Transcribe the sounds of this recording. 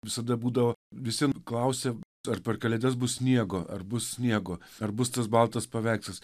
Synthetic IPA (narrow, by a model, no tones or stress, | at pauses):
ʋʲɪsɐd̪ɐbuːd̪ɐʋoːʋʲɪsʲiɛnklˠɐʊsʲɛ | ɐrpʲɛrkɐlʲɛd̪ʲɛs̬bʊssʲnʲiɛɡoːʔɐ̰rbʊssʲnʲiɛɡoːɐrbʊst̪ɐsbɐlˠt̪ɐspɐʋʲæˑɪksʲɐs